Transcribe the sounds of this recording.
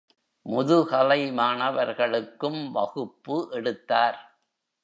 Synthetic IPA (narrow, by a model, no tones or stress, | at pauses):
mʊðɯkɐlɐɪmaːɳɐʋɐɾɣɐɭɯkːɯmʋɐɣɯpːɯʔɛɽɯt̪ːaːɾ